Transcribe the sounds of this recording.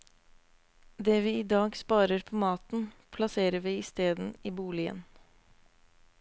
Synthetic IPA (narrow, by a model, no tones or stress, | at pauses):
d̪eːʋiːɪd̪ɑːɡspɑːɾəɾpʰoːmɑːt̪n̩pʰlɑseːɾəʋiːɪst̪eːd̪n̩iːbuːlɪə̰n